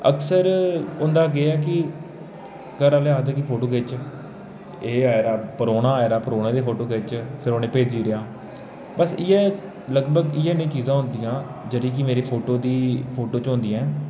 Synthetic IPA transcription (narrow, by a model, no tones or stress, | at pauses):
ə̰ksəɾʊnd̪aːɡeɛːkɪ | kəɾaleaːd̪kɪpʰoːʈoːkeːt͡ʃ | eːaːɾaːpəɾoːnaːɛːɾaːpəɾoːnẽːd̪eːpʰoːʈoːɡeːt͡ʃpʰɪɾoːnẽːpeːd͡ʒiːɾɪjãː | bəsɪjɛː | ləɡbəɡɪɛːnẽːt͡ʃiːzãːɦʊ̃nd̪iːjãːd͡ʒəɽĩːkɪmeːɾeːpʰoːʈoːd̪iːpʰoːʈoːt͡ʃɦõnd̪iːãɛ̃ː